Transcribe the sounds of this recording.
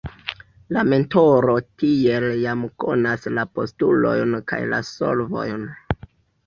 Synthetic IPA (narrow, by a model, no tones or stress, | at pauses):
lame̞nto̞ɾotieljamko̞̰naslapo̞̰stulo̞̰jnka̰jla̰so̰lvo̞̰jn